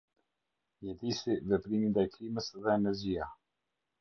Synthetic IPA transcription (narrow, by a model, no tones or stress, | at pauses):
ɲɛd̪isivɛpɾimind̪ajkliməsðɛːnɛɾd͡ʑia